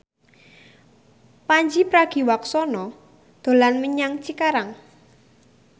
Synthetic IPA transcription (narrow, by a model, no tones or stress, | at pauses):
paɲd͡ʒipɾaɡ̥i̤waksɔnɔ | d̪̥o̤lanməɲaŋt͡ʃikaɾaŋ